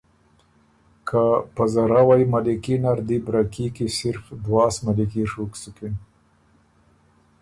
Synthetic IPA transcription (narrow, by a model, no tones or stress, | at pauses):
kʰapazaɾawajmalikinaɾd̪ibɾakikisɪɾfd̪wɑːsmalikiʂuksuken